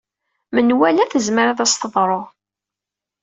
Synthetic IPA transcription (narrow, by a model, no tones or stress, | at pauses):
mənwælæθəzməɾaðæst̪əðˤɾˤoʁ